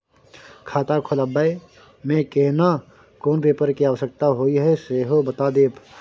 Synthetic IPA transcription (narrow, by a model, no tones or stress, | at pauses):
kʰaːt̪akʰoləbae | mẽkeɦna | koːnpeːpəɾkiaːʋəsək̚t̪aɦoːiɦɛseɦobət̪ad̪eːpʰ